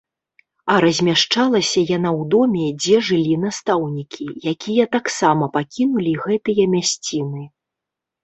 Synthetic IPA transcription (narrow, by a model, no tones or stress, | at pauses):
ɐɾɐzʲmʲaʂt͡ʂalˠɐsʲɐjanawd̪ɔmʲɛd͡zʲɛʐɨlʲinast̪awnʲikʲijakʲijɐt̪aksamɐpakʲinulʲiɣɛt̪ɨjɐmʲasʲt͡sʲinɨ